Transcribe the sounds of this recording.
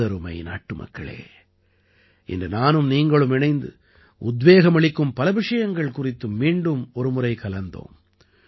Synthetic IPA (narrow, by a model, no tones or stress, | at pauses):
ɐɾɯmɐ̰ɪna̰ːʈːɯmɐ̰kːɐ̰ɭḛː | ʔɪ̰ndrɯnaːnɯmniːŋɡɐɭɯmɪnɐɪnd̪ɯ̰ | ʊd̪ʋeːɣɐmɐɭɪkːɯmpɐlɐʋɪʂɐjɐŋɡɐɭkʊrɪt̪ːɯmːiːɳɖɯmɔɾɯmʊrɐɪkɐlɐnd̪o̰ːm